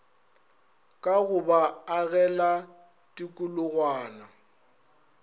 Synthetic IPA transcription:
kʼaɣʊbaaɣɛla | tʼɪkʼʊlʊɣwaːna

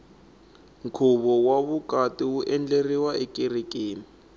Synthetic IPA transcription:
ŋ̩kʰuβɔwaβukʼatʼiuʔɛnd͡ɮeriwaʔɪkʼirikʼeːni

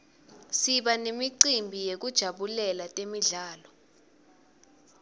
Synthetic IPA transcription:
siɓanemiǀimbʱijek̬ud̥ʒ̥ʱaɓulɛlatʼemiɮaːlɔ

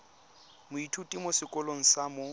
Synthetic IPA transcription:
mʊitʰutʼimosɪkʼɔloŋ̩samo

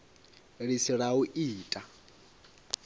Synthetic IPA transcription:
ɺisiɺauʔiːtʼa

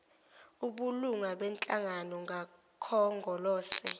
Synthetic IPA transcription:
uɓuluŋaɓɛnt͡ɬʼaŋanɔŋʱa | kʰɔŋɡʱɔlɔːsɛ

